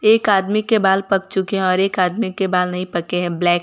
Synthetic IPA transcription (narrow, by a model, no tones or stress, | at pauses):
eːkaːd̪mikebaːlpɐk̚t͡ʃʊkeɦɛ̃ɔːɾeːkaːd̪mikebaːlnɐɦĩpɐkeɦɛ̃blɛːk